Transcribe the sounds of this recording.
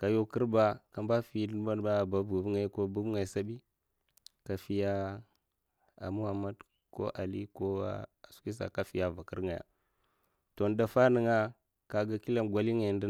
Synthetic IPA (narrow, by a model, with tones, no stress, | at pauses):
ka˨jo˦kə˦ɾba˦ka˨mba˦fi˨˦ma˦nba˦˨ba˨bu˨vŋa˨˦ko˦bu˦bŋa˨jsa˦bi˦ | ka˨fi˦ja˦ | a̰˨mu˦ha˨ma˦d | ko̰˦ʔa˨li˦ko̰˦˨su̥˦ki˦s̬a̰˨ka˨fi˨ja˨va˨kə̰˦ɾŋa˨ja̰˨ | to˨n˦da˨fa˦nə˨ŋa˦ | ka˨ɡa˨ki˦la˦mɡwa˨li˦ŋa˨ndi˦